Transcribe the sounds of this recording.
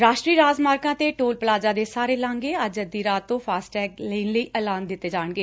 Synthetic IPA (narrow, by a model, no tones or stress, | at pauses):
ɾaːʃʈɾiːɾaːd͡ʒmaːɾkãːt̪eːʈoːlpəlaːd͡ʒãːd̪eːsaːɾeːlãːŋɡeːəd͡ʒəd̪iːɾaːt̪ːõːpʰaːsʈɛːkləːnləiːɛːlaːnd̪ɪt̪ːeːd͡ʒaːɳɡeː